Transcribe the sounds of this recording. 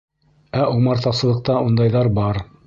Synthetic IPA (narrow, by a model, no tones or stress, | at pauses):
æumɑɾt̪ɑsɤ̆lˠɤ̆q̚t̪ɑund̪ɑjðɑɾbɑɾ